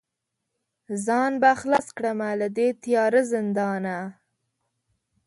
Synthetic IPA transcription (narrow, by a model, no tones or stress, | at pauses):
zɑnbaxlɑskɽəmalad̪et̪ijɑɾəzɪnd̪ɑna